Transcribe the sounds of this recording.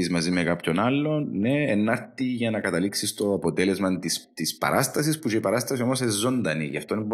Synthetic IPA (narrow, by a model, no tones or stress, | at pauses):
izmɐzimekapço̞nalːo̞nnːeːnːɐɾt̪iʝɐnɐkɐt̪ɐliksist̪o̞ɐpot̪elezmɐnt̪ist̪ispɐ̰ɾʔast̪ɐs̬isput͡ʃeipɐɾast̪ɐsio̞mosezːo̞nd̪ɐnḭʝɐ̰ft̪onb